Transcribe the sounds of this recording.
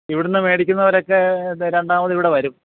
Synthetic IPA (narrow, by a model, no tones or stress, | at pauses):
iʋiɽenːɨme̞ːɽikʲːunːɐʋɐɾo̞kːe̞ɾe̞ɳɖaːmɐðiʋiɽe̞ʋɐɾum